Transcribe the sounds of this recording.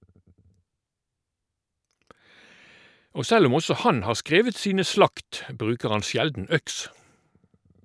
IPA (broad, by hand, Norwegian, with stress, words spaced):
ˈoː ˈsɛl ˈʊm ˈɔsɔ ˈhɑn ˈhɑːʁ ˈskʁeːʋət ˈsiːnə ˈslɑkt ˈbʁʉːkəʁ ˈɑn ˈsjɛldn̩ ˈœks